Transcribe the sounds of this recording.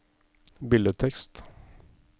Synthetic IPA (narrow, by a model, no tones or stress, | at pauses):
bɪld̪ət̪ʰɛkst̪